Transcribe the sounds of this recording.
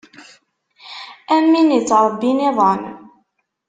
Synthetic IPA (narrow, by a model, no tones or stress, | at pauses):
æmːinit͡sːɾˤəbːiniðˤɑm